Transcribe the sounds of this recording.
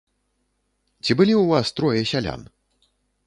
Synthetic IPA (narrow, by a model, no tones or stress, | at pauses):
t͡sʲibɨlʲiwvast̪ɾɔjɛsʲalʲa̰n